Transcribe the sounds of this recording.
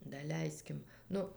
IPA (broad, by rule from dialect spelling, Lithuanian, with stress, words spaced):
dɐˈlʲɛɪsʲkʲɪm ˈnʊ